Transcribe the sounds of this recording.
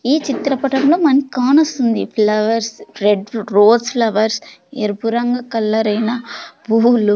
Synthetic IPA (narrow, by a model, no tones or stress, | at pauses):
iːt͡ʃit̪ɾɐpɐʈɐmlo̞ːmɐnikaːnost̪und̪ipʰlɐʋɐɾsɾeɖɾoːspʰlɐʋɐɾseɾbuɾɐŋɡɐkɐlːɐɾɐjnɐbʱuːlu